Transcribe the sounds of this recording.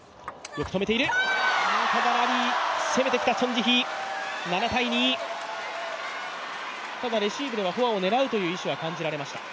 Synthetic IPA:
jo̞kɯ̟̥t̪ome̞t̪e̞iɾɯ̟ookaɡaɾaɾʲise̞me̞t̪e̞kʲi̥t̪asõ̞ɲd͡ʑiçi | nanat̪aiɲ̟iː | t̪ad̪aɾe̞ɕiːbɯ̟d̪e̞βaɦo̞ao̞ne̞ɾaɯ̟t̪o̞jɯ̟ːiɕiβakãɲ̟d͡ʑiɾaɾe̞maɕi̥t̪a

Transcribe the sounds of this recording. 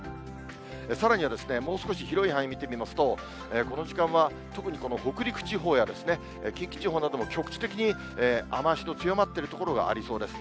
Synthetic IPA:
esaɾaɲ̟iβad̪e̞sɨ̥ne̞mo̞ːsɨ̥ko̞ɕiçiɾo̞ihãɰ̃mʲit̪e̞mʲimasɨ̥t̪o̞ | eko̞no̞ʑikãɰ̃βa | t̪o̞kɯ̟ɲ̟iko̞no̞ho̞kɯ̟ɾʲikɯ̟̥t͡ɕiɦo̞ːjad̪e̞sɨne̞ | ekʲĩŋkʲi̥t͡ɕiɦoːnad̪o̞mo̞kʲo̞kɯ̟̥t͡ɕi̥t̪e̞kʲiɲ̟i | eːamaɕino̞t͡sɨjo̞mat̪ːe̞ɾɯ̟t̪o̞ko̞ɾo̞ɡa̰a̰ɾʲiso̞ːd̪e̞sɨ̥

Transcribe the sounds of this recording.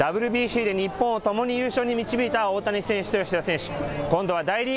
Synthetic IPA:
d̪abɯ̟ɾɯ̟bʲiːɕiːd̪e̞ɲ̟ipːõɰ̃ot̪o̞mo̞ɲ̟ijɯ̟ːɕo̞ːɲ̟imʲit͡ɕibʲiːt̪ao̞ːt̪aɲ̟isẽɰ̃ɕi̥t̪oɕiasẽ̞ɰ̃ɕi̥kõnd̪o̞ad̪aiɾʲi

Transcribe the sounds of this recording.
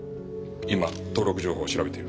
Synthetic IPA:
imat̪o̞ːɾo̞kɯ̟ʑo̞ːho̞ːɕiɾabe̞t̪e̞iɾ

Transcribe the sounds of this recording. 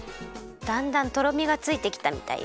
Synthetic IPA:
d̪̥ãnd̪ãnt̪o̞ɾo̞mʲiɡat͡sɨit̪e̞kʲi̥t̪amʲḭt̪a̰ḭ

